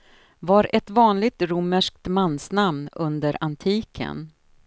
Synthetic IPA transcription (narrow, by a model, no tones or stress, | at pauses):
vaɾʔɛt̪vɑːnlɪɡ̚t̪ɾuməʂk̚t̪manːsnamnɵnd̪əɾant̪ʰiːkʰə̰n